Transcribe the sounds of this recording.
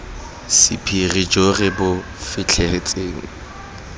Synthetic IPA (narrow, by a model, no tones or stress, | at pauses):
sɪpʰirid͡ʒorɪbʊ | fɪt͡ɬʰɛhɪt͡sʼeːŋ̩